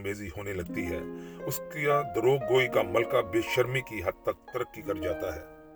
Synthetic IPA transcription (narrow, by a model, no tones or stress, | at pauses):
meːziɦoːnelɐɡ̚t̪iɦɛ̰ːʊskad̪ɐɾoːɡ̚ɡːoːikamɐlkabɪʃɐɾmikiɦɐd̪̚t̪ɐk̚t̪ɐɾəkːikɐɾd͡ʒaːt̪aɦɛː